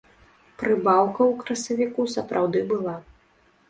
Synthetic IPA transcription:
pɾɨbawkɐwkɾɐsɐvʲikusɐpɾawd̪ɨbɨlˠa

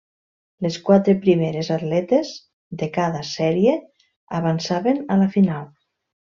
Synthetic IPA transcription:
leskwat̪ɾepɾimeɾezat̪lɛt̪ez | ðekaðasɛɾie | aβansaβenalafinalˠ

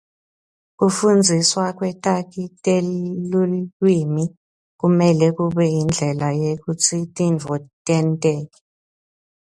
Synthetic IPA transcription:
k̬ufund͡zʱiswak̬wɛtʼak̬itʼelluwimi | k̬umɛlɛk̬uɓɛjind͡ɮʱɛlajek̬ut͡sʰitʼind͡vʱɔtʼɛntʼɛːk̬ɛ̥

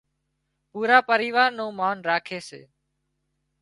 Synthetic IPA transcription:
puːɾaːpəɾiːʋaːɾnõːmaːnɾaːkʰeːsḛː

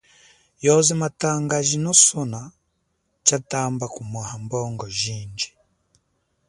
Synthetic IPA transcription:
jɔzimataŋɡaʒinɔsɔna | t͡ʃatambakumwahambɔːŋɡɔʒiːnd͡ʒi̥

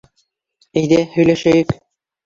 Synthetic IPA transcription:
æjðæhɵ̆jlæʃæjɘk

